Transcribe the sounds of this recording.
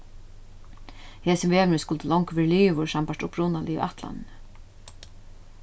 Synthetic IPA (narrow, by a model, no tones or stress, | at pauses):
hɛːsəmveːʋnɪskʊlt̪əlɔŋkʋɪːɾliːʋʊɹsampaʂʈ̪ʊpɾʊnalʔiḭʔat̪la̰nn